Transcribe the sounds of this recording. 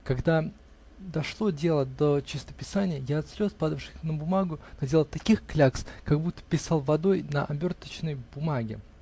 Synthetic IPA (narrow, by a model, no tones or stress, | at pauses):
kɐɡd̪a | d̪ɐʂlˠo̞dʲe̞lˠəd̪ət͡ɕɪst̪ə̥pʲɪsanʲɪjəjaɐt̪sʲɾʲo̞spad̪əfʂɨxʲnəbʊmaɡʊnɐdʲelˠət̪ɐkʲixklʲakskaɡbut̪ːə̥pʲɪsɑlˠvɐd̪o̞jnəʔɐbʲo̞rt̪ət͡ɕnəjbʊmaɡʲɪ̰